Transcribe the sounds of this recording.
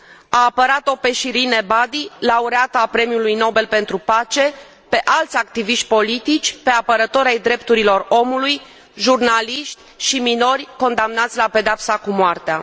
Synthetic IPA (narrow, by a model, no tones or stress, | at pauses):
aːpəɾat̪o̞pe̞ʃiɾinebad̪ilauɾeat̪əapɾe̞mjulujno̞be̞lpe̞nt̪ɾupat͡ʃe̞ | pe̞ʔalt̪sʲak̚t̪iviʃt̪̚ʲpo̞lit̪it͡ʃʲpe̞apəɾət̪o̞ɾajd̪ɾe̞pt̪uɾilo̞ro̞muluj | ʒurnaliʃt̪ʲʃimino̞rʲko̞nd̪amnat̪sʲlape̞d̪eapsakumoart̪ea̰